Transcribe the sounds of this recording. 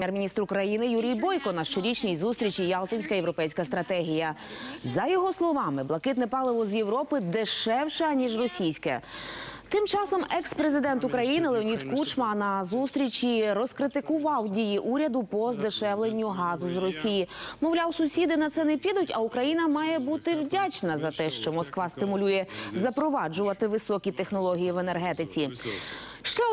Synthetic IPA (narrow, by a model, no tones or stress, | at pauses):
mʲjɛrmʲinʲist̪ɾʊkɾɐjinɪjuɾʲijbɔjkɔnɐʃt͡ʃɔɾʲit͡ʃnʲijzust̪ɾʲit͡ʃijɑlˠt̪ɔnʲsʲkɐjewɾɔpɛjsʲkɐst̪ɾɐt̪ɛɦʲijɐzɐjɔɦɔslˠɔʋɑmɪblˠɐkɪt̪nɛpɑlˠɪʋɔzjewɾɔpɪd̪ɪʃɛwʃɐnʲiʒrɔsʲijsʲkɛ̰ | t̪ɪmt͡ʃɑsɔmɛkspɾezɪd̪ɛnt̪ʊkɾɐjinɪlˠeɔnʲid̪kut͡ʃmɐnɐzust̪ɾʲit͡ʃiɾɔskɾɪt̪ɪkʊʋɑwdʲijiʔuɾʲɐd̪ʊpɔzd̪ɪʃɛʋlˠenʲːʊɦɑzʊzrɔsʲijimɔwlʲawsʊsʲid̪ɪnɐt̪sɛnɛpʲid̪ʊtʲɐukɾɐjinɐmɑjɛbut̪ɪwdʲat͡ʃnɐzɐt̪ɛʃt͡ʃɔmɔskʋɑst̪ɪmʊlʲujɛzɐpɾɔʋɑd͡ʒʊʋɐt̪ɪʋɪsɔkʲit̪e̞xnɔlˠɔɦʲijiʋene̞rɦɛt̪ɪt͡sʲi | ʃt͡ʃɔ